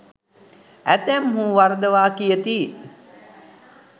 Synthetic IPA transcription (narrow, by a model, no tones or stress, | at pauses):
æt̪æmhũːʋaɾd̪əʋaːkijət̪iː